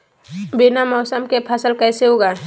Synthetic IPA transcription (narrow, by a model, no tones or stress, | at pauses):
bɪnamɔːsəmkepʰəsəlkɛːseɦoɡaː